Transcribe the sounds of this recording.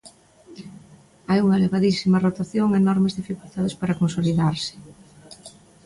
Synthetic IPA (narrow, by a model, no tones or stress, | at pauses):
ajuŋɐleβaðisimɐrot̪aθjoŋaenɔɾmezðifikult̪að̞espaɾakonsoliðaɾsɪ̥